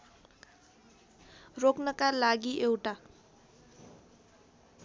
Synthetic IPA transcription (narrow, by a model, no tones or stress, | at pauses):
roknʌkalaɡiʔewʈa